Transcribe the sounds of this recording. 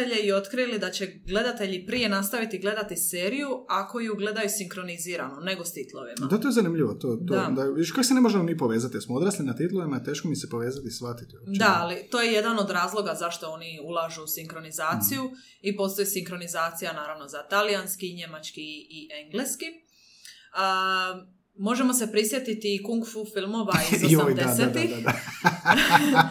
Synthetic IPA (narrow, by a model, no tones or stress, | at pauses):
eʎeio̞t̪kɾilid̪at͡ɕe̞ɡle̞d̪at̪e̞ʎipɾije̞nast̪aʋit̪iɡle̞d̪at̪ise̞ːɾijuako̞juɡle̞d̪ajusiŋkɾo̞niziːɾa̰none̞ɡo̞st̪it̪lˠo̞ʋḭmad̪at̪o̞ezanimʎiʋot̪otd̪oad̪aʋid̪iʃkaksenemoʒemomipoʋeːzat̪ijelsmood̪ɾaːslinat̪it̪lˠoʋimat̪e̞ːʃkomisepo̞ʋe̞ːzat̪isʋat̪it̪iod̪aalit̪o̞je̞je̞d̪ano̞d̪ɾaːzlˠo̞ɡazaʃt̪o̞o̞ːniulˠaʒuusiŋkɾo̞nizaːt̪siju | ipo̞st̪ojisiŋkɾo̞nizaːt̪sijanaːɾaʋno̞zat̪alijanskiɲe̞mat͡ʃkiːʔeŋɡleski | ə | mo̞ʒemo̞s̬e̞pɾisje̞t̪it̪iːkuŋɡfufilˠmo̞ʋaiioid̪ead̪seadt̪iad̪a